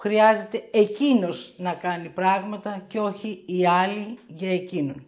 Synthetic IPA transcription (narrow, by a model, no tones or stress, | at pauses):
xɾiɐze̞t̪e̞ecino̞znɐkɐnipɾɐɣmɐt̪ɐceo̞çiːɐliʝɐe̞cinon